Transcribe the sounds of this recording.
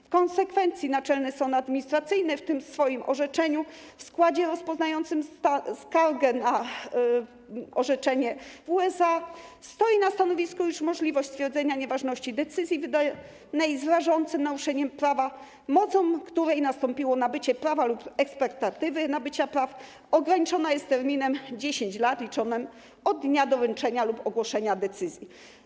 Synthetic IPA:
fkɔnsɛkfɛnt̪sʲjinat͡ʂɛlnɛsɔ̃nad̪mʲiɲist̪ɾat̪sɘjnɛft̪ɘmsfɔjimʔɔ̰ʐɛt͡ʂɛɲu | fskwad͡ʑɛɾɔspɔznajɔnt̪sɘmaskaɾɡɛna | ɔʐɛt͡ʂɛɲɛvuɛsast̪ɔjinast̪anɔvʲiskujuʂmɔʐlʲivɔɕt͡ɕ̪ʲt̪fʲjɛɾd̪zɛɲaɲɛvaʐnɔɕt͡ɕid̪ɛt̪sɘzʲjivɘd̪aj | najzɾaʐɔnt̪sɘmnaɾuʂɛɲɛmpɾava | mɔt̪sɔ̃w̃kt̪uɾɛjnast̪ɔmpʲiwɔnabɘt͡ɕɛpɾavalupɛkspɛkt̪at̪ɘvɘnabɘt͡ɕapɾaf | ɔɡɾaɲit͡ʂɔnajɛst̪ːɛɾmʲinɛmd͡ʑeɕeɲt͡ɕlat̪lʲit͡ʂɔnɘm | ɔd̪ːɲad̪ɔvɛnt͡ʂɛɲalupɔɡwɔʂɛɲad̪ɛt̪sɘzʲji

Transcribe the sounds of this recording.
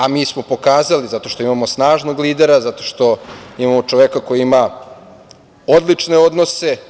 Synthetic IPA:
amiːsmo̞po̞kaːzalizat̪o̞ʃt̪o̞imamo̞snaːʒno̞ɡliːd̪e̞ɾazat̪o̞ʃt̪o̞imamo̞t͡ʃo̞ʋekako̞jiima | o̞d̪lit͡ʂne̞o̞d̪no̞se̞

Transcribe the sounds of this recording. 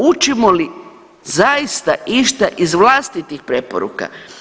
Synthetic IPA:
ut͡ʃimoli | zaist̪aʔiʃt̪aʔizʋlast̪it̪ixpɾe̞poɾṵka̰

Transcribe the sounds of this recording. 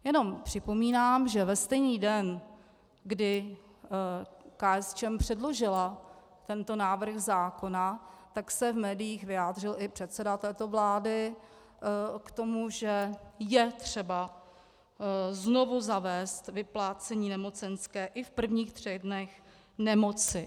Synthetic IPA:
jɛno̞mpr̥ɪpo̞miːnaːmʒɛvɛst̪ɛjniːdɛn | ɡdɪ | kaːɛst͡ʃɛmpr̝̥ɛdlo̞ʒɪla | t̪ɛnt̪o̞naːvr̩xzaːko̞nat̪aksɛvmɛːdɪjiːxvɪjaːd̪rɪlʔɪpr̝̥ɛt̪sɛdat̪ɛːt̪o̞vlaːdɪ | kt̪o̞muʒɛjɛt̪r̥ɛba | zno̞vuzavɛːst̪vɪplaːt͡sɛɲiːnɛmo̞t͡sɛnskɛːʔɪfpr̩vɲiːxt̪r̥ɛɣdnɛx | nɛmo̞t͡sɪ

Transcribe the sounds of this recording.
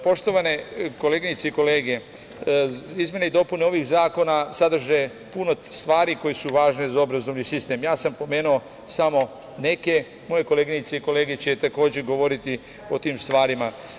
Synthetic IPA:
po̞ʃt̪o̞ʋane̞ko̞le̞ɡinit̪seiko̞le̞ːɡe̞ | izmʲje̞neid̪o̞puneo̞ʋixzaːko̞nasad̪ɾ̩ʒe | puno̞st̪ʋaːɾiko̞jesuʋaːʒnezao̞bɾazo̞ʋnisist̪e̞ːmjaːsampo̞me̞ːnuo | samo̞ | ne̞ke̞ | mo̞je̞ko̞le̞ɡinit̪seiko̞le̞ːɡet͡ɕet̪ako̞ːd͡ʑeɡo̞ʋo̞ɾit̪i | o̞t̪iːmst̪ʋaːɾima

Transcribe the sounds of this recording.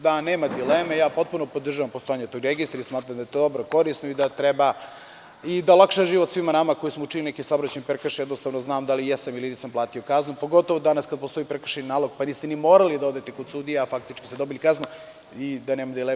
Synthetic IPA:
d̪aneːmad̪ileːmejaːpo̞t̪̚punopod̪rʒaʋampo̞st̪o̞jaɲet̪oɡɾeɡist̪ɾaismaːt̪ɾamd̪ajet̪od̪obɾoko̞ɾisnoid̪at̪ɾeba | id̪alˠakʃaʒiːʋot̪sʋimanamako̞jismout͡ʃilinekisabɾat͡ɕenipeɾkaʃjɛd̪nost̪avnoznaːmd̪alijesamiliniːsamplˠaːt̪io̞kaznupoɡo̞t̪oʋod̪anaskad̪̚post̪oipɾekrʃeninaːlˠo̞ɡ̚paniːst̪enimo̞ːɾalid̪ao̞d̪et̪ekod̪sud̪ijaafak̚t̪it͡ʃki̥sed̪o̞bilʲkaznu | id̪aneːmad̪ile

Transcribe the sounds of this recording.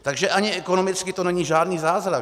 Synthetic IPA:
t̪aɡʒɛʔaɲɪɛkonomɪt͡skɪt̪onɛɲiːʒaːdniːzaːzɾa

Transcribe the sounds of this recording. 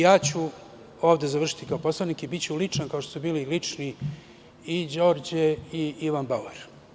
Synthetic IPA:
jaːt͡ɕu | o̞ːʋd̪ezaʋr̩ʃi̥t̪ikaopo̞slanikibitt͡ɕulit͡ʂankaoʃt̪osubiːlilit͡ʂni | id͡ʑo̞ːɾd͡ʑeiiʋanbaueɾ

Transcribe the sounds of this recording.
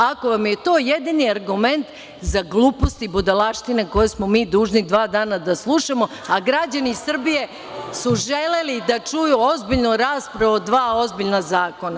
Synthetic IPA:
ako̞ʋamje̞t̪o̞ːjed̪iniaɾɡume̞nt̪ | zaɡlˠuːpo̞st̪ibud̪alˠaʃt̪ineko̞jesmomiːd̪uːʒnid̪ʋaːd̪aːnad̪aslˠuʃamo̞ | aɡɾad͡ʑanisr̩bije̞ | suʒe̞lelid̪at͡ʃujuo̞zbiʎnoɾaːspɾaʋod̪ʋaːo̞zbiʎnazaːko̞na

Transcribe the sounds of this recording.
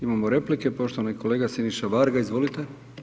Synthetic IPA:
imamoɾeplike̞po̞ʃt̪oʋaniko̞leːɡasiniʃaʋaɾɡaizʋo̞lit̪e

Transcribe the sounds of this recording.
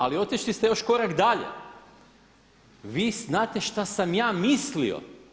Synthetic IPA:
alio̞t̪iʃlist̪ejo̞ʃko̞ɾakd̪aʎḛ | ʋiːznaːt̪e̞ʃt̪asamjaːmislḭo̰

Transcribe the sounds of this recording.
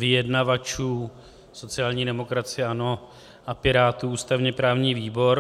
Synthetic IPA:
vɪjɛdnavat͡ʃuː | so̞t͡sɪjaːlɲiːdɛmo̞kɾat͡sɪjɛʔano̞ | apɪɾaːt̪uːuːst̪avɲɛpɾaːvɲiːviːbo̞ɾ

